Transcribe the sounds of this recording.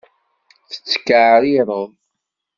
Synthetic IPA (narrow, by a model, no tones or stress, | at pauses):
θə̥t͡sːə̥kːaʕɾiɾˤəð